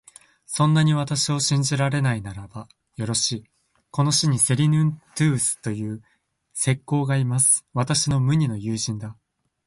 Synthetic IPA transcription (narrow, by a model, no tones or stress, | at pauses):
sõ̞nːaɲ̟iβ̞at̪aɕio̞ɕĩɲ̟d͡ʑiɾaɾe̞nainaɾaba | jo̞ɾo̞ɕiː | ko̞no̞ɕiɲ̟ise̞ɾʲinɯ̟̃nt̪ɯ̟ːsɨ̥t̪o̞jɯ̟ː | se̞kːo̞ːɡaimasɨ̥βat̪aɕino̞mɯ̟ɲ̟ino̞jɯ̟ːʑĩnd̪a